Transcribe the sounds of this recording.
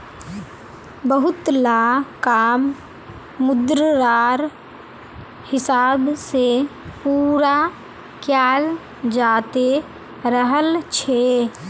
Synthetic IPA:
bəɦʊt̪laːkaːmː | ʊd̪ɾɾaːɾ | hɪsaːbsepuːɾa | kjaːl | d͡ʒaːt̪e | ɾəɦəlt͡ʃʰe

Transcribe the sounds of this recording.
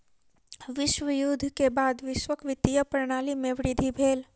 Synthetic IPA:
ʋɪʃwəjuːd̪ʱkebaːd̪ʋɪʃwəkʋɪt̪ijəpɾəɽ̃aːlimẽʋɾɪd̪ʱibʱeːl

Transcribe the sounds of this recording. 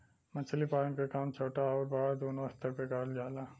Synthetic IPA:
mɐt͡ʃʰlipaːənkekaːmt͡ʃʰoːʈaɔːɾbɐɽad̪oːnoɐst̪ʰɐpekaːld͡ʒaːlaː

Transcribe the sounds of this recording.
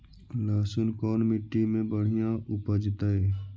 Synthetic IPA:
laːsʊnkɔːnmɪʈːimẽbəɽ̤ijãʔʊpəd͡ʒt̪əe

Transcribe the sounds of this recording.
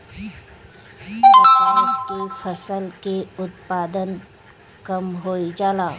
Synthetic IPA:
ɪskefʰɐsəlkeʊt̪̚paːd̪ən | kɐmɦoːid͡ʒaːlaː

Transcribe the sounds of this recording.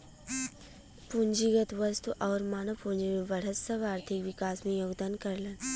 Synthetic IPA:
pund͡ʒiɡət̪ʋɐst̪uʔɔːɾmaːnɐpund͡ʒimeʋɐɽ̤əɐbaːɾt̪ʰikʋikaːsmẽjoːɡd̪aːnkɐɾlən

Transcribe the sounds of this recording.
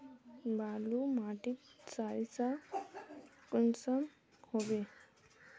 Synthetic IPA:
bʱalumaʈitt͡saisa | kunsam | hobe

